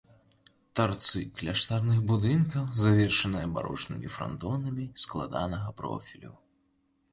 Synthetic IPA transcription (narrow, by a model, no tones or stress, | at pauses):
t̪art̪sɨklʲaʂt̪arnɨɣbud̪ɨnkɐwzavʲɛrʂɐnɨjɐba̰ɾɔ̰t͡ʂnɨmʲifɾa̰nt̪ɔnɐmʲisklˠa̰d̪anɐɣɐpɾɔ̰fʲilʲṵ